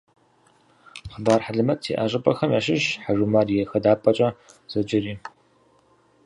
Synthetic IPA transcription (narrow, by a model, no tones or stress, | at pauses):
χəbaːrħaɮɨmɐtʼtʰḭːʔɐɕʼɪpʼɐxɐmjaːʃɪʃħaʒumaːrjɛxɐdaːpʼɐt͡ʃʼɐ | z̥ɐd͡ʒɪriː